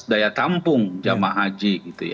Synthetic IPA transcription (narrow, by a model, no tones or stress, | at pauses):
dajat̪ampʊŋd͡ʒamaɦad͡ʒiɡit̪uja